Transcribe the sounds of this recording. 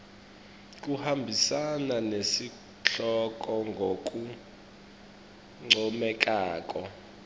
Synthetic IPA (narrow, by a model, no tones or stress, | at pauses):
k̬ʼuhambʱisananesi | ɬɔk̬ʼɔŋɡʱok̬ʼu | ŋ͡ǀɔmɛk̬ʼaːk̬ʼɔ